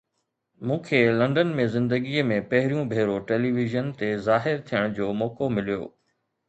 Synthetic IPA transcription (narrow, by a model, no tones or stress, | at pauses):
mũːkʰeːlɐ̃ɳɖənmẽzɪ̃nd̪əɡiəmẽpɐɦɪɾijũbʱeːɾoʈeːliːʋɪʒənt̪ezaːɦɪɾt̪ʰijəɽ̃d͡ʑoːmɔːkomɪlijo̰ː